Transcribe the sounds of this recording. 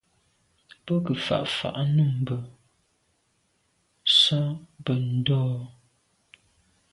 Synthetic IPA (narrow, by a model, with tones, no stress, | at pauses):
bə˦kə˨fa̰˨ʔfa̰˨ʔnu˦˨m˨bə˨ | sɔ˦bə˨n̩˨dɔː˦